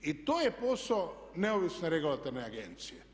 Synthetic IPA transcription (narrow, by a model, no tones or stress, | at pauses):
it̪oːjeposoneoʋisneɾeɡulˠat̪oɾneaɡent̪sije